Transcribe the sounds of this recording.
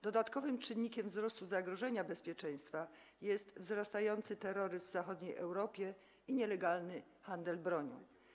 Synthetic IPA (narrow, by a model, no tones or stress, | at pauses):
d̪̥ɔd̪at̪kɔvɘmt͡ʂɘnːikʲɛmvzɾɔst̪uzaɡɾɔʐɛɲabɛspʲjɛt͡ʂɛ̃j̃st̪fa | jɛst̪vzɾast̪ajɔnt̪sɘt̪ɛɾɔɾɘzvzaxɔd̪ɲejʔɛ̰wɾɔpʲjɛ | iɲɛlɛɡalnɘ | xand̪ɛlbɾɔɲɔ̰̃w